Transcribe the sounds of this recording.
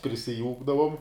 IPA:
pʲrʲɪsʲɪˈjuːɡdɐʋʊm

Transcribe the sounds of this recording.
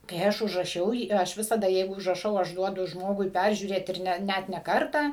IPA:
kɐɪ ˈɐʃ ʊʒrɐˈʃʲɛʊ ˈjiː ˈɐʃ ˈʋʲɪsɐdɐ ˈjɛɪɡʊ ʊʒrɐˈʃɐʊ ˈɐʃ ˈduɔdʊ ˈʒmoːɡʊɪ ˈpʲærʲʒʲuːrʲeːt ˈɪr ˈnʲɛ ˈnʲæt nʲɛ ˈkɐrtɑː

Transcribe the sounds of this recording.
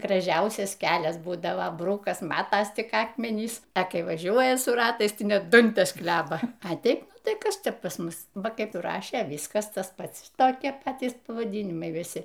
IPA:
ɡrɐˈʒʲɛʊsʲɛs ˈkʲæːlʲɛs ˈbuːdɐʋɐ ˈbrʊkɐs ˈmɑːtɐs ˈtʲɪk ˈɑːkmʲɛnʲiːs ɐ ˈkɐɪ ʋɐˈʒʲuɔjɛ sʊ ˈrɑːtɐɪs ˈtɐɪ ˈnʲɛt ˈdɐnʲtʲɛs ˈklʲæːbɐ ɐ ˈtʲɛɪp ˈnʊ tɐɪ ˈkɐs ˈt͡ʃʲɛ pɐs ˈmʊs ˈʋɐ ˈkɐɪp ˈrɑːʃʲeː ˈʋʲiːskɐs ˈtɐs ˈpɐts ˈtoːkʲiɛ ˈpɑːtʲiːs pɐʋɐˈdʲiːnʲɪmɐɪ ʋʲɪˈsʲɪ

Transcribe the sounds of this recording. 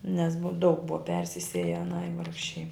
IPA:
nʲɛs bʊ dɐʊk ˈbʊʋɐ ˈpʲɛrʲsʲɪsʲeːjɛ ɐˈnɐɪ ˈʋɐrkʃʲɛɪ

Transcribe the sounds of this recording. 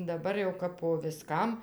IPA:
dɐˈbɐr jɛʊ kɐp poː ʋʲɪˈskɐm

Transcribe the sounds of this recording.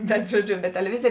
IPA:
bʲɛt ʒoːˈd͡ʒʲʊ bʲɛt tʲɛlʲɛˈʋʲɪzʲeːj

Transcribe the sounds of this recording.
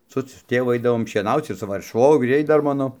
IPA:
ˈsʊ sʊ ˈtʲeːʋʊ ˈɐɪdɐʋoːm ʃʲiɛˈnɐʊt͡s ɪr sʊ ˈʋɐ ʃʋoːɡˈrʲɛɪ ˈdɐr ˈmɑːnoː

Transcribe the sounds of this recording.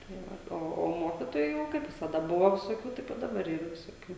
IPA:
tɐɪ ˈʋɐ ˈoː oː ˈmoːkʲɪtoːjuː kɐɪp ʋʲɪsɐˈdɐ ˈbʊʋoː ʋʲɪsoːˈkʲuː ˈtɐɪp ɪ dɐˈbɐr ˈiːrɐ ʋʲɪsoːˈkʲuː

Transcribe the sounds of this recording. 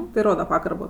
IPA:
tɐɪ ˈroːdɐ ˈpɑːɡɐrboː

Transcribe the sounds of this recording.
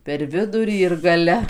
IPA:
pʲɛr ˈʋʲɪdʊrʲiː ɪr ɡɐˈlʲɛ

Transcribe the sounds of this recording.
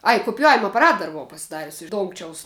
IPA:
ˈɐj kʊpʲɪˈjæːʋʲɪmɐ ɐpɐˈrɐt ˈdɐr bʊˈʋɐʊ pɐsʲɪˈdɑːrʲʊs ɪʃ ˈdoːŋkt͡ʃʲɛʊs

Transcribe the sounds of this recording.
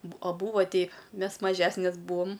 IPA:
bʊ ɐ ˈbuːʋɐ ˈtʲɛɪ ˈmʲɛs mɐˈʒʲæːsʲnʲɛs ˈbuːoːm

